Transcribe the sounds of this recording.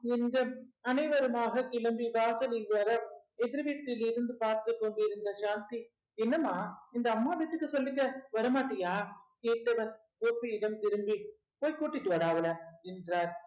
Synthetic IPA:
ɛnɡɐɐnɐɪʋɐɾɐmaːɣɐkɪlɐmbiʋaːsɐlɪlʋɐɾɐ | ɛðɪɾɯʋiːʈ̪ːɪlɪɾɯnd̪ɯpaːɾt̪ɯt̪ːoɳɖɯɪɾɯnd̪ɐʃaːnt̪i | ɛnːɐmaːɪnd̪ɐːmːaːʋiːʈːɯkːɯsɔlːɪkːɐʋɐɾɐmaːʈːɐjaːkeːʈːɐʋɐn | koːpːiɪɽɐmt̪ɪɾɯmbi | poːjkːuːʈːɪʈːɯʋɐɾaːʋɐlɐmɛndraːɾ

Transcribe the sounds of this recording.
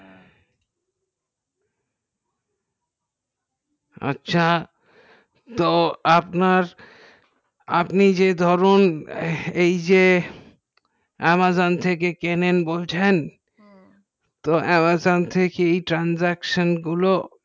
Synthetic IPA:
ʌ̰tːɕʰa | t̪oapnaɾ | apnid͡ʑed̪ʱɔɾon | ejd͡ʑe | ɛmazont̪ʰekekenenbolt͡ɕʰen | t̪oɛmazont̪ʰekeejʈɾanzɛkʃonɡulo

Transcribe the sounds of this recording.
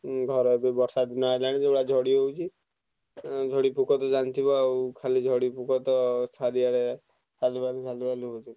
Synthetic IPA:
ɡʱɔɾɔebebɔɾsad̪nɔelaɽ̃id͡ʒebɽad͡ʒʱɔɽiɦowt͡ʃʰi | d͡ʒʱɔɽipukɔt̪ɔd͡ʒant̪ʰibɔwkʰalid͡ʒʱɔɽipukʰɔt̪ɔst̪ʰaɾiaɽe | t͡ʃalibanut͡ʃalibaluɦod͡ʒ̪ʰi

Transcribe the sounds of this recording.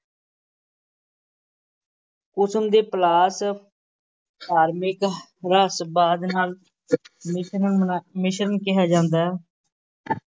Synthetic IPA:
kʊsəmd̪eːplaːs | paːɾmɪkɾaːsbaːd̪naːl | mɪʃmɪʃəɾənkɪɦaːd͡ʒãːnd̪aː

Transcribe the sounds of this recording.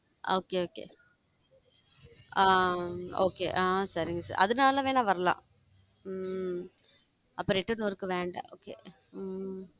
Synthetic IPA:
ʔoːkeoːkḛː | aːoːkḛːʔaːsɐɾɪŋɡɐsa̰ːɾʔɐ̰ðɯnaːlɐʋeːnaːʋɐɾɐlã̰ː | ɐpːɐɾɪʈːɐnoɾɯkːɯʋeːɳɖɐ̰ʔoːkḛː

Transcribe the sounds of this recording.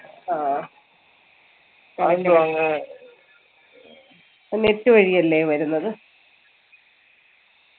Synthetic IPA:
aː | aundoʋaŋːɨ | netːɨʋɐɻijɐlːeʋɐɾunːɐðɨ

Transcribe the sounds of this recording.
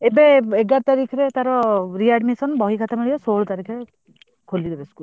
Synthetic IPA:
ebeeɡaɾt̪aɾikʰɔɾet̪aɾɔɾiaɖmisɔnbɔɦikʰat̪ʰamiɭijɔsoɭt̪aɾikʰɾe | kʰolid̪ebeskul

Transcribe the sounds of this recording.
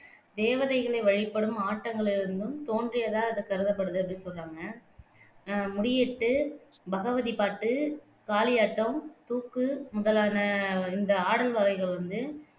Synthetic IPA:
d̪eːʋɐðɐɪɣɐɭɐɪʋɐɻɪpːɐɽɯmaːʈːɐŋɡɐɭɪɾɯnd̪ɯmt̪oːndrɪjɐðãːɐðɯkɐɾɯðɐpːɐɽɯðɯɐp̬ːɐɽɪnsɔlraːŋɡɐ | mʊɽɪjeːʈːɯbɐɣɐʋɐðipaːʈːɯ | kaːlɪjaːʈːɐ̃mt̪uːkːɯmʊðɐlaːnɐɪnd̪ɐaːɽɐlʋɐɣɐɪɣɐɭʋɐnd̪ɯ

